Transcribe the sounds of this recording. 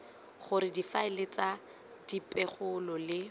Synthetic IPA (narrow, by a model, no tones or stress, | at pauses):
χʊɾɪdifaɪlɪt͡sa | d̥ipʼɛχʊlɔlɪ